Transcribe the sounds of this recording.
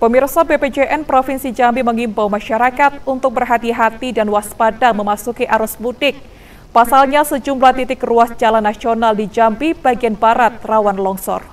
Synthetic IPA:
pəmirsabeped͡ʒeʔɛnpɾofinsid͡ʒambiməŋimbawmaʃaɾakat̪̚unt̪ʊk̚bərɦat̪iɦat̪idanwaspadaŋməmasukiʔaɾʊsbudɪk̚ | pasalɲasəd͡ʒumlaht̪it̪ɪkruasd͡ʒalanːasionaldid͡ʒambib̥aɡianbaɾat̪̚rawanlɔŋsɔ̰r

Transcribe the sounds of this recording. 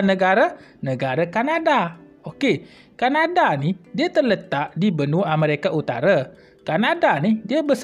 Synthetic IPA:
nəɡaɾə | nəɡaɾəkanada | oke | kanadanihdiət̪ərlət̪aʔdibənuaməɾekaʔut̪a̰ɾa | kanadanidiəbəs

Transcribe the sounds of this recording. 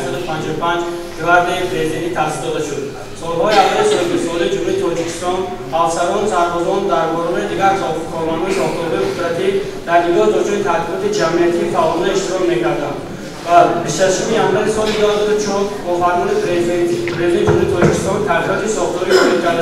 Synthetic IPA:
sɔd̪upʰand͡ʒɔupʰand͡ʒ | kivaɾd̪ipʰɾezid̪ent̪it̪ʰasisd̪ɔd̪aʃud̪ | sɔlhɔjiavilisɔd̪usɔlijid͡ʒumhuɾit̪ʰɔd͡ʒikʰi̥st̪ɔn | afsaɾɔnsaɾbɔzɔnd̪aɾbɔɾɔneid̪iɡaɾsɔkʰɔɾmɔnhɔisɔχt̪ʰɔɾɦɔjiut̪ɾat̪ʰi | d̪̥æɾnid͡ʒɔzbɔd͡ʒʰɔjit̪ʰat̪ilɔt̪id͡ʒamiat̪ʰiːfaɔlnieʃt̪iɾɔmekʰaɾd̪and̪ | vabiʃaʃumijanvaɾisɔlid̪ɔhzad̪ut͡ʃʰɔbɔfaɾmɔni | pʰɾezd̪nid͡ʒumhuɾit̪ʰɔd͡ʒikʰi̥st̪ɔnt̪ʰaʁiɔt̪isɔχt̪ʰɔɾiʃɔt̪kʰaɾd̪

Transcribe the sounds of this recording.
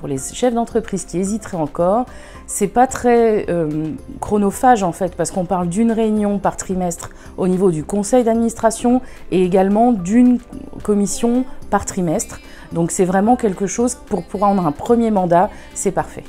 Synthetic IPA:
puʁleʃɛfd̪ɑ̃t̪χəpχizkʲiezit̪χɛɑ̃kɔːʁ | sɛpat̪χɛøkχɔnɔfaʒɑ̃fɛt̪paʁsə̥kɔ̃paʁld̪ynʁeynjɔ̃paʁt̪χimɛst̪χ | onivod̪ykɔ̃sɛjd̪ad̪minist̪χasjɔ̃ | eeɡalmɑ̃d̪ynkɔmisjɔ̃paʁt̪χimɛst̪χ | d̪ɔ̃ksɛvʁɛmɑ̃kʲɛlkəʃozpuʁpuʁwaʁɑ̃d̪ʁɛ̃pχəmjemɑ̃d̪a | sɛpaʁfɛ̰

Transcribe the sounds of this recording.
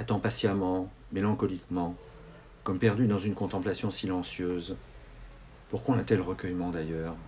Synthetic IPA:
at̪ɑ̃pasjamɑ̃ | melɑ̃kɔlikmɑ̃ | kɔmpɛʁd̪yd̪ɑ̃zynkɔ̃t̪ɑ̃plasjɔ̃silɑ̃sjøːz | puʁkwaat̪ɛlʁəkʲœjmɑ̃d̪ajœːʁ

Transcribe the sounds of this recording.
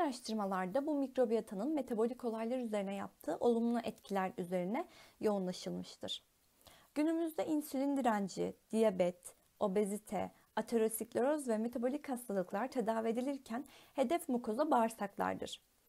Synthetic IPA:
ɾaʃt̪ʰɯɾmalˠaɾd̪abumikɾo̞bijat̪ʰanɯnme̞t̪ʰabo̞lʲiko̞lˠajlˠaɾyze̞ɾinɛja̰p̚t̪ʰɯːʔo̞lˠumlˠuʔɛt̪cʰilʲæɾyze̞ɾinɛjo̞unlˠaʃɯlˠmɯʃt̪ʰɯɾ̥ | ɟ̥ynymyzd̪ɛinsylʲind̪iɾænd͡ʒḭd̪̥ijabɛt̪ | o̞bezit̪ʰɛ̰ | at̪ʰeɾosiklʲo̞ɾozvɛme̞t̪ʰabo̞lʲichast̪ʰalˠɯklˠaɾt̪ʰed̪aːvied̪ilʲiɾcʰænhe̞d̪ɛfmukʰo̞zabaːɾsaklˠa̰ɾd̪ɯ̰ɾ̥

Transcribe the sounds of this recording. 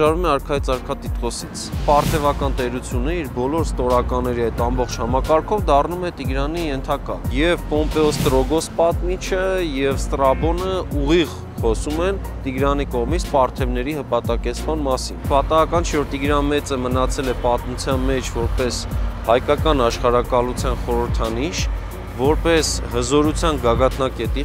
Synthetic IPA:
ɑɾvumɛɑɾkʰɑit͡sɑɾkʰɑt̪it̪kɔsit͡sʰpɑɾt̪ʰɛvɑkɑnt̪ɛɾut͡sʰjunəiɾbɔlɔɾst̪ɔɾɑkɑnːɛɾiɑjt̪ɑmbɔχt͡ʃʰhɑmɑkɑɾkʰɔvd̪ɑrnumɛt̪iɡɾɑnijɛnt̪ʰɑkɑjɛvpɔmpɛɔst̪ɾɔɡɔspɑt̪mit͡ʃʰəjɛvst̪ɾɑbɔnəuʁiʁ | χɔsumɛn | t̪iɡɾɑnikɔʁmit͡sʰpɑɾt̪ʰɛvnɛɾihəpɑt̪ɑkɛt͡sʰmɑnmɑsḭnpɑt̪ɑɑkɑnt͡ʃʰɛvɔɾt̪iɡɾɑnmɛt͡səmənɑt͡sʰɛlɛpɑt̪mut͡sʰjɑnmɛt͡ʃʰvɔɾpɛshɑjkɑkɑnɑʃχɑɾɑkɑlut͡sʰjɑnχɔɾəɾt̪ʰɑniʃ | vɔɾpɛshəzɔɾut͡sʰjɑnɡɑɡɑt̪ʰnɑkɛt̪i

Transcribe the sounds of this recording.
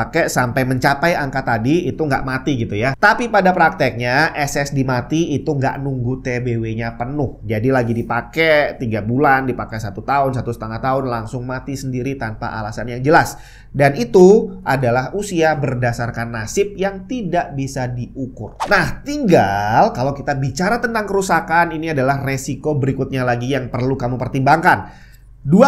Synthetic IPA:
akɛsampajməɲt͡ʃapajaŋkat̪adiːt̪uŋɡa̰ʔmat̪iɡit̪ujat̪apipadapɾak̚t̪ɛk̚ɲaʔɛsɛsdimat̪iːt̪uŋɡa̰ʔnuŋɡut̪ebeweɲapənʊhd͡ʒadilaɡidipakɛt̪iɡabulandipakɛsat̪ut̪aʊnsat̪usət̪əŋaht̪aʊnlaŋsʊŋmat̪isəndiɾit̪anpa̰ʔa̰lasanjaŋd͡ʒəlas | danit̪uʔadalahusiabərdasarkanːasɪp̚jaŋt̪idaʔbisadiukʊrnaht̪iŋɡalkalawkit̪abit͡ʃaɾat̪ənt̪aŋkəɾusakaniniadalahresikobəɾikʊt̪̚ɲalaɡijaŋpərlukamupərt̪imbaŋkan | dua

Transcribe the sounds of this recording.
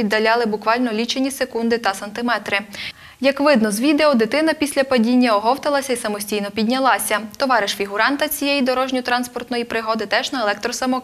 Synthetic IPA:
id̪ːɐlʲɑlˠɪbʊkʋɑlʲnɔlʲit͡ʃenʲisekund̪ɪt̪ɐsɐnt̪ɪmɛt̪ɾɪ | jɐkʋɪd̪nɔzʋʲid̪eɔd̪et̪ɪnɐpʲisʲlʲɐpɐdʲinʲːɐɔɦɔwt̪ɐlˠɐsʲɐisɐmɔsʲtʲijnɔpʲidʲnʲɐlˠɑsʲɐt̪ɔʋɑɾɪʃfʲiɦʊɾɑnt̪ɐt͡sʲijɛjid̪ɔɾɔʒnʲit̪ɾɑnspɔrt̪nɔjipɾɪɦɔd̪ɪt̪ɛʒnɐlˠɛk̚t̪ɾɔsɐmɔk

